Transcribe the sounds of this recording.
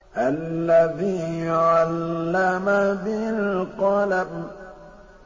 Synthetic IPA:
ʔalːaðiːjʕalːamabɪlqɑlab

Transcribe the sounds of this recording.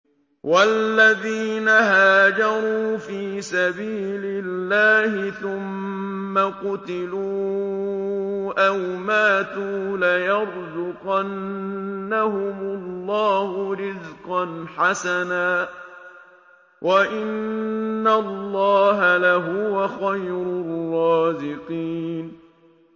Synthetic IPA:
walːaðiːnaɦaːd͡ʒɑɾˤuːfiːsabiːlɪlːaːhɪθʊmːaqʊt̪ɪluː | ʔawmaːt̪uːlajɑɾˤzʊqanː | ahʊmʊlːɑːhʊɾɪzqɑnħasanaː | wʔaʔɪnːalːɑːɦalaɦʊwaxajɾʊrːɑːzɪqiːn

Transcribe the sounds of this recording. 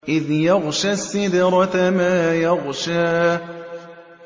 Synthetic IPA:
ʔɪðjaɣʃasːɪd̪ɾˤɑt̪amaːjaɣʃaː

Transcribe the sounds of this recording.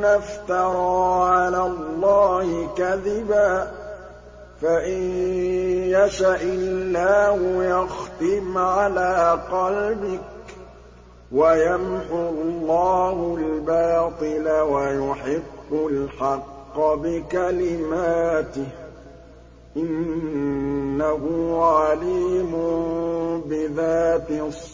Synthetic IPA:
naft̪ɑɾˤɑːʕalaːlˤːɑːhɪkaðɪbaː | faʔɪn | jaʃaʔɪlːaːhʊjɑxt̪ɪmʕalaːqɑlbɪk̚ | wajamʕʊlˤːɑːhʊlbaːt̪ˤɨlawajʊħɪqːʊlħɑqːɑbɪkalɪmaːt̪ɪ | ʔɪn | aɦʊːʕaliːmʊ | bɪðaːt̪ɪsˤ

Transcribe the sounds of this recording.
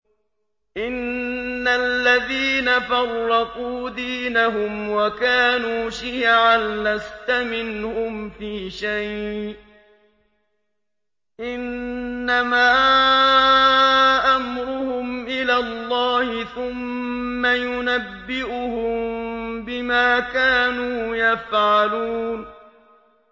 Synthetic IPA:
ʔɪnːalːaðiːnafɑrˤːɑquːd̪iːnaɦʊmwakaːnuːʃiːʕanlast̪amɪnhʊmfiːʃajʔ | ʔɪnːamaː | ʔamɾʊhʊmʔɪlaːlˤːɑːhɪθʊmːajʊnabːɪʔʊhʊmbɪmaːkaːnuːjafʕaluːn

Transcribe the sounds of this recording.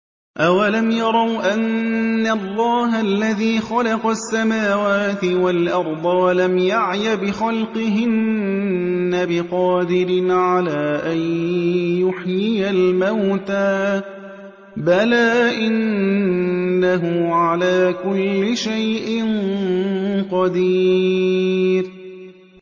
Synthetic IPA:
ʔawalamjɑɾˤɑwʔanːalˤːɑːɦalːaðiːxɑlɑqɑsːamaːwaːt̪ɪwalʔɑɾˤd̪ˤɑwalamjaʕjabɪxɑlqɨɦɪnː | abɪqɑːd̪ɪɾɪnʕalaːʔanjʊħjɪjalmawt̪aː | balaːʔɪn | aɦʊʕalaːkʊlːɪʃajʔɪn | qɑd̪iː | ɾ

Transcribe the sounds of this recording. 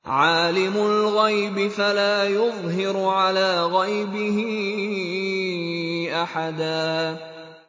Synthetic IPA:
ʕaːlɪmʊlɣajbɪfalaːjʊðˤɦɪɾʕalaːɣajbɪhɪ | ʔaħad̪aː

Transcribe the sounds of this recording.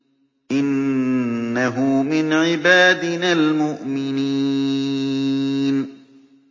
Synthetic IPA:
ʔɪnː | aɦʊmɪnʕɪbaːd̪ɪnalmʊʔmɪni | n

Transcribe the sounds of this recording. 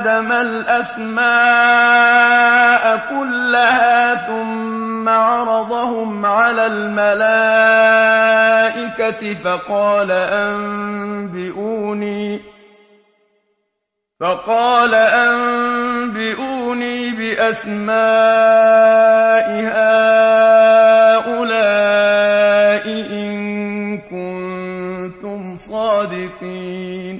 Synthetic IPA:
d̪amalʔas | maː | ʔakʊlːahaːθʊmː | aʕɑɾˤɑd̪ˤɑhʊmʕalaːlmalaː | ʔɪkat̪ɪfɑqɑːlaʔambɪʔuːniː | fɑqɑːlaʔambɪʔuːniːbɪʔasmaː | ʔɪhaː | ʔʊlaː | ʔɪʔɪŋkʊnnt̪ʊmsˤɑːd̪ɪqiːn

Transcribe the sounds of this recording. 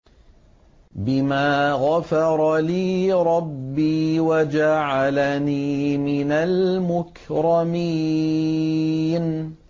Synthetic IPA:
bɪmaːɣafɑɾˤɑliːɾˤɑbːiːwad͡ʒaʕalaniːmɪnalmʊk | ɾɑmiː | n

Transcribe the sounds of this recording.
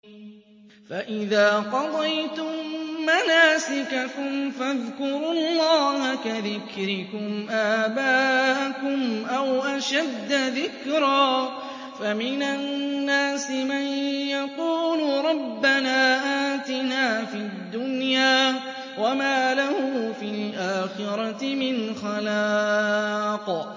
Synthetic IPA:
faʔɪðaːqɑd̪ˤɑjt̪ʊmːanaːsɪkakʊmfaðkʊɾʊllˤːɑːhakaðɪkɾɪkʊmʔaːbaːʔakʊmʔawʔaʃad̪ːaðɪkɾaː | famɪnanːaːsɪmanjaquːlʊɾˤɑbːanaːʔaːt̪ɪnaːfid̪ːʊnjaː | wamaːlahʊfilʔaːxɪɾˤɑtɪmɪnxalaːq

